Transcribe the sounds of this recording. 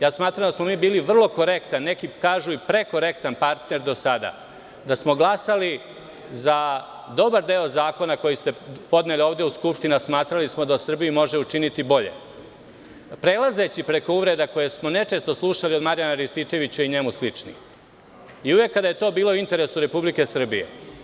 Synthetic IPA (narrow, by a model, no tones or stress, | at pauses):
jaːsmaːt̪ɾamd̪asmo̞miːbiːliʋr̩lˠo̞ko̞ɾe̞kt̪anːekikaːʒuipɾe̞ko̞ɾe̞kt̪anpaɾt̪ne̞ɾd̪o̞sad̪a̰ | d̪asmo̞ɡlˠasali | za | d̪o̞baɾd̪eozaːko̞nako̞jist̪e̞po̞d̪ne̞lio̞ːʋd̪euskupʃt̪inasmaːt̪ɾalismo̞d̪aosr̩bijimo̞ʒe̞ut͡ʂinit̪ibo̞ʎḛ | pɾelaze̞t͡ɕipɾe̞ko̞uʋɾe̞d̪ako̞jesmo̞ne̞t͡ʂe̞ːst̪o̞slˠuʃaliod̪maɾjanaɾist̪it͡ʃe̞ʋit͡ɕaiɲe̞muslit͡ʂnḭ | iuʋe̞kːad̪ajet̪o̞ːbiːlˠo̞int̪e̞ɾesuɾe̞publike̞sr̩bije̞̰